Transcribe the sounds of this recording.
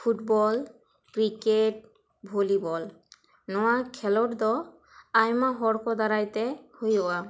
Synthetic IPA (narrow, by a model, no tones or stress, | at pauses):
pʰutbɔl | kɹiket̚ | bʱolibɔl | nɔwakʰɛlɔɾd̪ɔ | ajmaɦɔɹkʰɔd̪aɾajtɛhojɔwa